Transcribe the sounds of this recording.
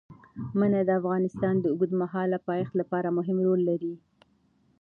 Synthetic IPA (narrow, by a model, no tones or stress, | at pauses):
manad̪əafɣɑnɪst̪ɑnd̪əʊɡud̪maɦɑlapɑjext̪lapɑɾamʊɦɪmɾolːaɾi